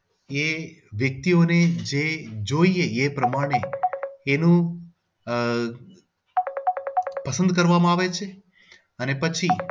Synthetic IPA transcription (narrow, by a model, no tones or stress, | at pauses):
eʋjək̚t̪ioned͡ʒed͡ʒoieepɾəmaɽ̃eː | nũ | pəsə̃nd̪̚kəɾʋamãaʋet͡ʃʰe | ənepət͡ʃʰi